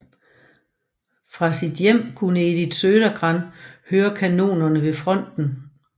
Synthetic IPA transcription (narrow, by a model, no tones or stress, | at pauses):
fʁɑ̈sid̥jem̰kʰunəed̥id̥søːɾɐɡ̥ʁɑ̈nhøːɐkʰæno̝̰ːnɐnəʋe̝fʁɒ̽n̰d̥n̩